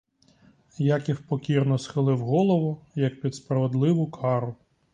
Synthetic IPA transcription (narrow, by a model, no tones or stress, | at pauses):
jakiwpɔkʲirnɔsxɪlˠɪwɦɔlˠɔʋɔjɐk̚pʲid̪spɾɐʋed̪lˠɪʋʊkʰɑɾʊ